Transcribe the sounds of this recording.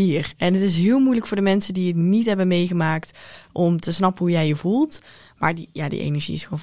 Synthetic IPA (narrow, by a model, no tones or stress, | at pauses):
irɛnɦətɪs̬ɦɪːlˠmujləkfʊːɹdəmɛnsədiətnitɦɛbəmejɣəmaːktʔɔmtəsnɑpənɦujɛjəvulˠt | ma̰ːɹdijaːdḭʔḛnɛɹʒḭɪsχon